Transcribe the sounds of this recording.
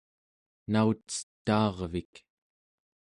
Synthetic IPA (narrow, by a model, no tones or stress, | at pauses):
naut͡st͡sə̥t̪ːɑːʁvik